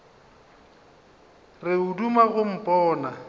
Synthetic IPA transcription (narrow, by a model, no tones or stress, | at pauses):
rɪudumaɣʊm̩pʼɔːna